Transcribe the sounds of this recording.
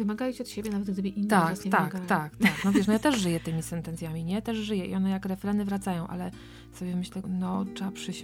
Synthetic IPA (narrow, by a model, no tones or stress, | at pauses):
vɨmaɡajʲit͡ɕiɔt̪ɕebʲjɛnavɛd̪̚ɡ̚d̪ɘbɘʔint̪avat̪aakɡat̪akt̪aknɔvɛʂnɔjat̪ɛʐʐɘjɛt̪ɘmʲisɛnt̪ɛnt̪sʲjamʲiɲɛt̪ɛʐʐɘjɛʔḭʔɔnɛjakɾɛfɾɛnɘvɾat̪sajɔ̃w̃ʔa̰lɛ | sɔbʲjɛmɘɕlɛnɔɛapʂɘɕ